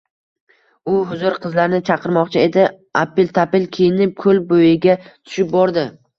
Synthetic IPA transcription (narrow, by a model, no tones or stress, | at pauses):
ʊɦʊzʊɾqʰɨzlaɾnɪt͡ʃʰɑqʰɨɾmɒqt͡ʃʰɪe̞d̪ɪ | apɪlt̪ʰapɪlkʲʰejɪnɪp̚kʰɵlbojɪɡʲat̪ʰʊ̥ʃɪp̚bɒɾd̪ɪ